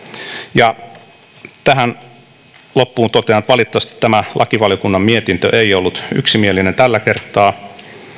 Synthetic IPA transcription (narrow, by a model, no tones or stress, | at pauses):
jɑ | t̪æɦæn | lopːuːnt̪ot̪eɑnt̪ʋɑlit̪ːɑɑst̪i̥t̪t̪ːæmælʔɑkiʋɑljokunːɑmmiet̪int̪ø̰ʔeiolːut̪y̰ksimielinent̪ælːækert̪ˑɑː